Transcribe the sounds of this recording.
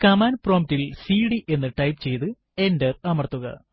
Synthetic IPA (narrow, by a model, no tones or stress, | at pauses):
kɐmaːnpro̞ːmtilsiːɽiʔe̞nːɨʈɐjpt͡ɕe̞jt̪ɨ | e̞ndɐrɐmɐrt̪ːuɣɐ̰